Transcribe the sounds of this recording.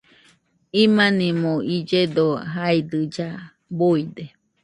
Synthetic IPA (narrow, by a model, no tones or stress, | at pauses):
imanĩmõid͡ʒed̪oɦaid̪ɨd͡ʒa | boid̪e